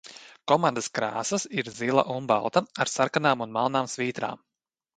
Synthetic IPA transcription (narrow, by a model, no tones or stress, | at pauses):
kɔmand̪askɾaːsɐsiɾzilˠa̰ʔumba̰lˠt̪aaɾsaɾkanaːmunmalˠnaːmsviːt̪ɾa̰ːm